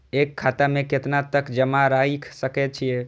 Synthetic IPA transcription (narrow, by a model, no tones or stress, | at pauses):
ekʰːat̪amẽket̪nat̪əkd͡ʒəmaɾajikʰsəkɛt̪̚t͡ʃʰijɛ